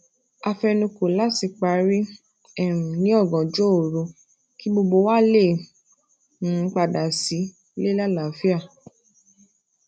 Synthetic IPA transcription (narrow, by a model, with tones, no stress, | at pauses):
a˧fɛ˧nũ˧ko˨la˨˦ti˧k͡pa˧˦ɾi˦ | ɛ˦˨ɾ̃ũ˨nĩ˨˦ɔ˦˨ɡɔ̃˨d͡ʒo˦o˨ɾo˧ | ki˨˦bo˧ɡ͡bo˧wa˦le˦˨ | nũ˨˦k͡pa˧da˨si˨˦ | le˦la˦˨la˨fi˦a˦˨